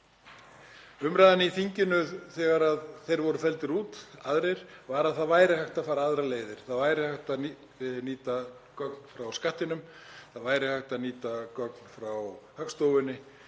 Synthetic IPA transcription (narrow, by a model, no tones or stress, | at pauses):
ʏmɾajðanːɪiθiɲcɪnʏθɛɣaɾaðθejɾvɔɾʏfɛlt̪ɪɾuːt̪aðɾejɾ̥vaɾaðθaðvaːjɾɪhaht̪afaːɾaaðɾaleːjðɪɾ̥θaðvaːjɾɪhaht̪a | niːt̪a | kœk̚nfɾawskaht̪ɪnʏmθaðvaːjɾɪhaht̪aðniːt̪akœkn̥fɾawhœkst̪owvɪnːɪ